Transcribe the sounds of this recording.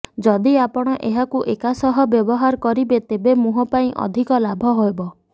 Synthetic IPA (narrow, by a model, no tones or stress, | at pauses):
d͡ʒɔd̪iapɔɽ̃ɔʔeɦakuʔekasɔɦɔbjɔbɔɦaɾkɔɾibet̪ebemuɦɔpaĩʔɔ̰d̪ʱikɔlabʱɔɦoebɔ